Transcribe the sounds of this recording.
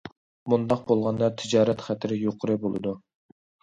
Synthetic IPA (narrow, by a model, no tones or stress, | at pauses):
mund̪ɑq̚bolˠʁɑnd̪ɑt̪ʰɪd͡ʒɑːɾɛt̪χɛt̪ʰɪɾɪjoqʰʊɾɨbolˠɨ̰d̪u